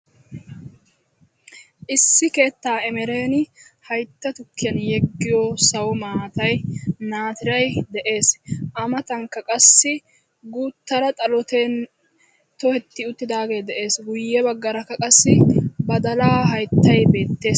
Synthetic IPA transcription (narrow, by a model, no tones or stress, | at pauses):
ʔɪsːɪke̞ːt̪ːaːɛmɛɾe̞ːnɪhɐjt̪ːɐt̪ʊkːɪjɐnjɛɡːɪjɔsɐwɔmaːɐt̪ɐjnaːt̪ɪɾɐjd̪ɛʔe̞ːsʔɐmɐt̪ɐŋkːɐkʼɐsːɪ | ɡuːt̪ːɐɾɐt̪ʼɐlɔt̪eːn | t̪ɔhɛt̪ːɪʊt̪ːɪd̪aːɡe̞ːd̪ɛʔe̞ːsɡʊjːɛbɐɡːɐɾɐkːɐkʼɐsːɪbɐd̪ɐlaːɦɐjt̪ːɐjbe̞ːt̪ːe̞ːs